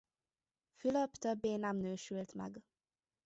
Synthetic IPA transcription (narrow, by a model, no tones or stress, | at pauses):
fyløpt̪øbːeːnɛmnøːʃylt̪mɛ̰ɡ